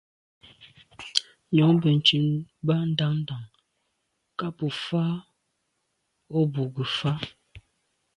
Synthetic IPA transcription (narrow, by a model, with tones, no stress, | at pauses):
ɲɔ˨˦ŋbə˨n̩˨t͡ʃʉ˨nba˦n̩˦da˦ŋn̩˦da˨ŋ | ka˦pə˨fa˦ | o˦bu˨ɡə˨fa˦